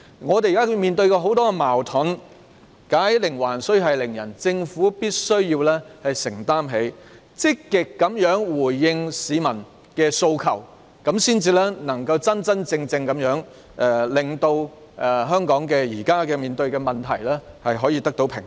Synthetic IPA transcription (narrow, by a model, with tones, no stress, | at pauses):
ŋɔː˨˧t̪e˨jka˥miː˨nt̪ɵ˧ɥkɔː˧ɦo˨˥wt̪ɔː˥kɛ˧maː˨˩wt̪ʰʊ˨˥n | kaː˨˥jlɪ˨˩ŋwaː˨˩nsɵ˥ɥɦɐ˨jlɪ˨˩ŋjɐ˨˩nt͡sɪ˧ŋfuː˨˥piː˥t̚sɵ˥ɥjiː˧wlɛː˥hɐ˨jsɪ˨˩ŋt̪aː˥mɦe˨˥j | t͡sɪ˥kːɪ˨kːɐ˨˥mjœː˨˥ŋwuː˨˩jːɪ˧ŋsiː˨˧mɐ˨˩n | kɛː˧so˧wkʰɐ̰˨˩w | kɐ˨˥msiː˥nt͡siː˧lɛː˥nɐ˨˩ŋkɐ˧wt͡sɐ˥nt͡sɐ˥nt͡sɪ˧ŋt͡sɪ˧ŋkɐ˨˥mjœː˨˥ŋ | ʔɛ˧˩lɪ˨˩ŋt̪o˧w | ʔɛ˨˩ɦœː˥ŋkɔː˨˥ŋkɛː˧jiː˨˩kaː˥kɛ˧miː˨nt̪ɵ˧ɥkɛː˧mɐ˨˩nt̪ʰɐ̰˨˩jlɛː˥ | hɐ˨jɦɔː˨˥jiː˧t̪ɐ˥k̚t̪o˨˥wpʰɪ̰˨˩ŋ